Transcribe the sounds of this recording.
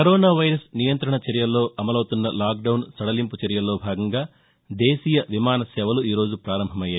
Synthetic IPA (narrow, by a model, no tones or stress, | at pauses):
kɐɾoːnaːʋɐjɾɐsnijɐnt̪ɾɐɳɐt͡ʃɐɾijɐlːo̞ːʔɐmɐlɐwt̪unːɐlaːk̚ɖɐwnsɐɽɐlimput͡ʃɐɾjɐlːo̞ːbʱaːɡɐŋɡaː | d̪eːsiːjɐʋimaːnɐsɛːʋɐluiːɾo̞ːd͡ʒupɾaːɾɐmbʱɐmɐjːaːj